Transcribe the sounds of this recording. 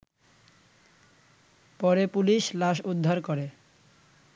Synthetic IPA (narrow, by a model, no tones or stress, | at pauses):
pɔɾepuliʃlaʃud̪ʱːaɾkoɾe